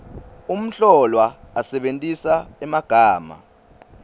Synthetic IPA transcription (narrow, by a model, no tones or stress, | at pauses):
um̩ɬɔlwaasɛɓentʼisaɛmaɡ̥ʱaːma̰